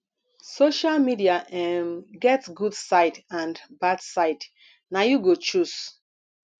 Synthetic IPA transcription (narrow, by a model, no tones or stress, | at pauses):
soʃalmidiaʔɛmɡɛtsɡudsaɪtãndbadsaɪt | najuɡot͡ʃus